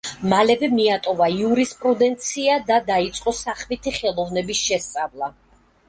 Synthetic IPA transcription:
malɛvɛmiat̪ʼɔvaiuɾispʼɾud̪ɛnt̪sʰiad̪ad̪ait̪sʼqʼɔsaχmit̪ʰiχɛlˠɔvnɛbisʃɛst̪sʼavlˠa

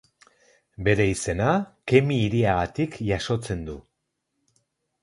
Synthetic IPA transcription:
be̞ɾe̞ise̞nake̞miːɾiaɣat̪ikʝaso̞t͡se̞nd̪u

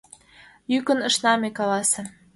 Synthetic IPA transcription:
jykə̆nə̆ʃnɑmekɑlɑsĕ

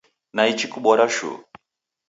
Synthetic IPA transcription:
nait͡ʃikuɓɔɾaʃṵ

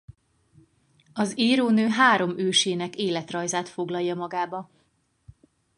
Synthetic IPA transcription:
ɒziːɾoːnøːɦaːɾo̞møːʃeːnɛkeːlɛt̪rɒjzaːt̪fo̞ɡlɒjːɒmɒɡaːbɒ

